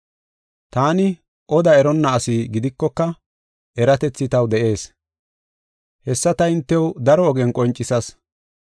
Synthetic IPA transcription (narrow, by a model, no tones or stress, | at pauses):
t̪aːnɪ | ʔɔd̪ɐɛɾɔnːɐːsɪɡɪd̪ɪkːɔkːɐ | ʔɛɾɐt̪ɛt͡sːɪt̪ɐwd̪ɛʔe̞ːs | hɛsːɐt̪ɐɪnt̪ːɛwd̪ɐɾɔːɡɛnkʼɔnt͡ʃʼːɪsɐs